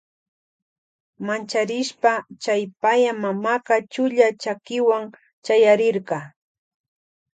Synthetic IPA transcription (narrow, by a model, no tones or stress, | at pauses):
mant͡ʃaɾɪʃpat͡ʃajpajamamaqɑt͡ʃʊʎat͡ʃakɪwaŋ | t͡ʃajaɾɪɾɢɑ